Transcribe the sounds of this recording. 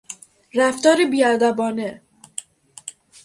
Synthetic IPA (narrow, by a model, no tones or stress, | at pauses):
ɾæft̪ɒːɾebiːæd̪æbɒːne